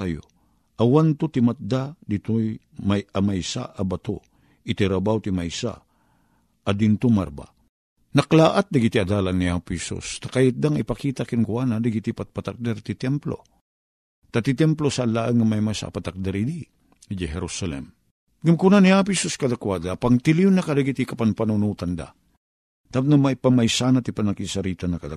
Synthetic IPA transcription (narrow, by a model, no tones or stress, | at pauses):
ajo̰ | ʔawant̪ut̪imat̪̚d̪ad̪it̪oj | majamajsa̰ʔabat̪u | ɪt̪iɾabawt̪imajsa̰ | d̪int̪uma̰ɾba̰ | naklaːʔat̪̚d̪aɡit̪iad̪aːlanːihaːpuhɛsṵst̪ḁkajɪt̪̚d̪aŋipakiːt̪akinkwanad̪aɡit̪ipat̪̚pat̪ak̚d̪ɛɾt̪it̪ɛmplo̰ | t̪at̪it̪ɛmplosaːlːaʔaŋamajmajsa̰pat̪ak̚d̪aɾɪd̪i | d͡ʒaɦɛɾusalɛ̰m | ɡʊmkunanihaːp̬ʊhɛsuskad̪akwad̪apaŋt̪ɪliʊnːakad̪aɡit̪ikapanpanunuːt̪and̪a̰ | t̪apt̪namajpamajsanat̪ipanakisaɾiːt̪anːakad̪a